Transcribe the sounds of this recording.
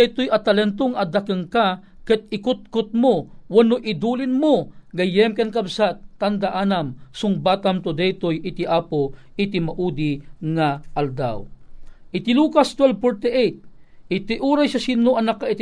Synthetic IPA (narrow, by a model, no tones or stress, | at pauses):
ɛjt̪ʊjɐt̪ɐlɛnt̪oŋɐd̪akɨŋka | kɛt̪̚ɪkʊt̪̚kʊt̪̚mowɐnoʔɪd̪uːlɪnmoɡɐjɛmkɛnkabsat̪ːand̪aʔaːnamsʊŋbaːt̪amt̪od̪ɛjt̪ojɪt̪iʔaːpo | ɪt̪imaʔud̪iŋaʔɐld̪a̰wʔɪt̪iluːkast̪wɛlpɔɹt̪ɛʔejt̪̚ɪt̪iʔuːɾajsasinoʔɐnakːait̪